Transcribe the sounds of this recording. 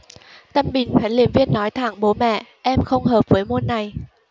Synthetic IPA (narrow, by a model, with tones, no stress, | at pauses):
t̪ə˧mɓï˨˩ŋ̟xwɛː˨˦li˨˩əmvi˧ənːɔ˨˦jt̪ʰaː˧˩ŋɓo˨˦mɛ̰˧˨ʔɛ˧mxə˧wŋ͡mɦəː˨˩p̚vəː˨˦jmo˧nːa˨˩j